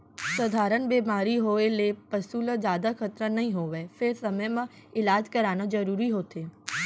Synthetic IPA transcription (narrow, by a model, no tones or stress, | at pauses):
sɐd̪ʱaːɾənbeːmaːɾiɦoːelepɐsuːləzaːd̪akʰɐt̪ɾənɐɦĩɦoːʋefʰɪɾsɐməjmã | ɪlaːd͡ʒkɐɾaːñad͡ʒɐɾuːɾiɦoːt̪ʰeː